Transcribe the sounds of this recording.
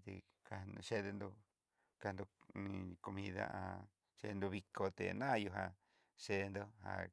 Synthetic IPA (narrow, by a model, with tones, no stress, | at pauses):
t̪ḛ˧˨ | ka˧ʃe˦ðe˧nd̪o˧ | ka˧nd̪o˧nĩ˧ko˧mĩ˧ða̰˦ʔa˧ | ʃḛ˧nd̪o˧βi˧ko˧t̪ḛ˨nã˦˧ju˧ɦa˧ | ʂe˧nd̪o˦ha̰˧